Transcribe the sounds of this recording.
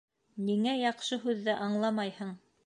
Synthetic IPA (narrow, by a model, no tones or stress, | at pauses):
niŋæjɑqʃɤɦʉðːæʔɑɴlˠɑmɑjhɤɴ